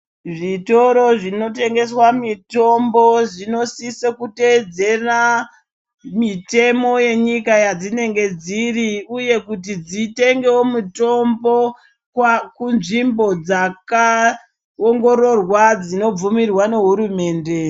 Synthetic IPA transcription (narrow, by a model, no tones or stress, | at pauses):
ʐito̞ɾo̞ʐino̞te̞ŋɡe̞swamito̞mbo̞ʐino̞sisekute̞d͡ze̞ra | mite̞mo̞je̞ɲikajad͡zine̞ŋɡe̞d͡ziriuje̞kut̬id͡zite̞ŋɡe̞omuto̞mbo̞ | kwakunʐimbo̞d͡zaka | oŋɡo̞ɾo̞rwad͡zino̞b͡vumirwane̞ɦuɾume̞ːnde̞